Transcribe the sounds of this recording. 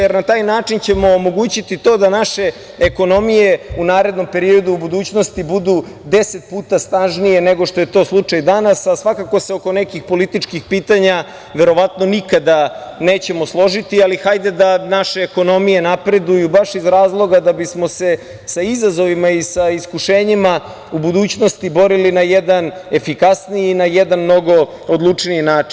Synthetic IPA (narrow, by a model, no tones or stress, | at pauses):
jeɾnat̪aːjnaːt͡ʂint͡ɕe̞mo̞ːmo̞ɡuːt͡ɕit̪it̪od̪anaʃe̞ | eko̞no̞mije̞unaːɾe̞d̪no̞mpe̞ɾio̞d̪uːbud̪uːt͡ɕno̞st̪ibud̪u | d̪eset̪̚puːt̪ast̪anʒnije̞neɡoʃt̪o̞jet̪o̞ːslˠut͡ʂajd̪anasasʋakako̞seoko̞nekixpo̞lit̪it͡ʂkixpiːt̪aɲa | ʋe̞ɾo̞ʋat̪no̞nikad̪aneːt͡ɕe̞moslˠo̞ʒit̪ialixajd̪ed̪anaʃeːko̞no̞mije̞napɾe̞d̪ujubaʃizɾaːzlˠo̞ɡad̪abismo̞se̞ | saizazo̞ʋimaisaiskuʃe̞ːɲima | ubud̪uːt͡ɕno̞st̪ibo̞ɾilinajed̪ane̞fikasniiːnajɛd̪anmno̞ɡo̞ | od̪lˠut͡ʂniinaːi̥n